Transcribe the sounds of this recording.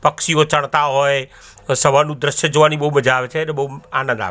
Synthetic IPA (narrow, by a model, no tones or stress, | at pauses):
pəkʃiot͡ʃəɳt̪aɦoj | səʋanũd̪ɾəʃjəd͡ʒoʋanibəɦuməd͡ʒaːʋet͡ʃʰenebəɦuanə̃nd̪a̰ʋe